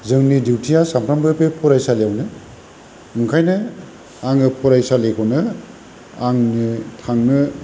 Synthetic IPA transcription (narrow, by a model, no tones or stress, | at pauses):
zɯŋnidiwtʰijasampʰɾambɯpepʰɔɾajsalejawnɯ | ɯŋkʰajnɯ | aŋɯpʰɔɾajsalekʰonɯ | aŋnɯtʰaŋnɯ